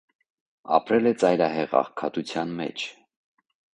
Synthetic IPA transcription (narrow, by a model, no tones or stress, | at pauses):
ɑ̰pɾɛlɛt͡sɑjɾɑɦɛʁɑ̰χkʰɑt̪ut͡sʰjɑnmɛ̰t͡ʃʰ